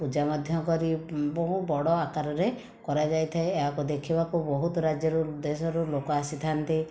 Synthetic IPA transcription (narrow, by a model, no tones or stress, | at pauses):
pud͡ʒamɔd̪ʱjɔkɔɾibɔɦũbɔɽɔakaɾɔɾe | kɔɾad͡ʒajt̪ʰaeːɦakud̪ekʰibakubɔɦut̪ɔɾad͡ʒjɔɾud̪esɔɾulokɔasit̪ʰant̪i